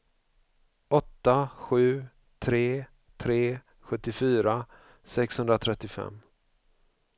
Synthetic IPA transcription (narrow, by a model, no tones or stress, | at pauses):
ɔt̪ːaɧʉ̟ː | t̪ʰɾeː | t̪ʰɾeː | ɧɵt̪ːɪfyːɾa | sɛkshɵnd̪ɾat̪ʰɾɛt̪ːɪfɛ̰mː